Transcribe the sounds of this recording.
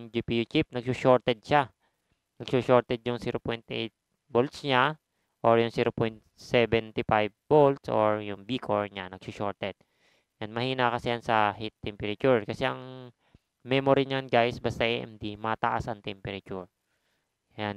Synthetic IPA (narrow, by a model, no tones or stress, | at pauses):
ŋd͡ʒipijut͡ʃip̚nɐɡsuʃoɹt̪ɛd̪̚ʃa | nɐɡ̚suʃoɹt̪ɛd̪̚jʊŋsiːɾopɔjnt̪ʔḛjt̪̚ | bolt̪sɲa | ʔoɹjʊŋsiːɾopojnt̪̚sɛbɛnt̪ɪfajb̚bolt̪sʔoɹjʊŋbiːkʰoɹɲanɐɡ̥̚suʃoɹt̪ɛd̪̥̚ | janmɐhiːnakɐsɛjansɐhit̪ːɛmpɛɾɐt͡ʃuɹkɐsɛʔɐŋ | mɛmoɾiɲanɡajsbast̪ɐʔɛʔɛ̰md̪imɐt̪a̰ʔa̰sɐŋt̪ɛmpɛɾɐt͡ʃuɹ | jan